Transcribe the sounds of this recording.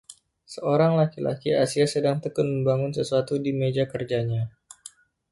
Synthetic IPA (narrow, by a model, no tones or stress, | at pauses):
səoɾaŋlakila̰kiasiasədaŋt̪əkʊt̪̚məmbaŋʊnsəsuat̪udimed͡ʒakərd͡ʒaɲa